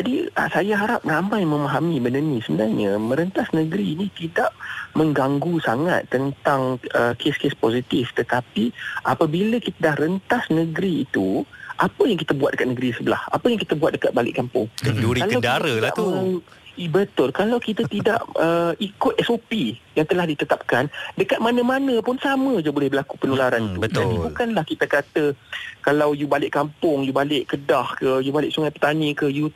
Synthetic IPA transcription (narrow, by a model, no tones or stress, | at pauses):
d͡ʒadiə̰sajaɦaɾap̚ramãjmə̃maɦamĩbəndənĩsəbənarɲəmə̃ɾənt̪asnə̃ɡɾiːnĩt̪idaʔmə̃ŋɡaŋɡusaŋa̰t̪ːənt̪aŋʔəkʰeskesposit̪ift̪ət̪apiʔapəbiləkit̪adahrənt̪asnəɡɾiːt̪uʔapəjaŋkit̪abuat̪̚dəkat̪̚nəɡɾisəbəla̰ha̰pəjaŋkit̪abuat̪̚dəkat̪̚balɪ̰ʔkampʊŋkənduɾialawdaɾəaʔmə | bət̪ʊlkalawkit̪at̪ida̰ʔəikʊt̪̚ɛsopijaŋt̪əlahdit̪ət̪ap̚kandəkat̪̚manə̃manə̃pʊnsamə̃d͡ʒabolɛhbəlaku̥pənulaɾant̪uətd̪aibukanlahkit̪akat̪əkalawjubalɪʔkampʊŋjubalɪʔkədahkəjubalɪʔsuŋajpət̪anikəju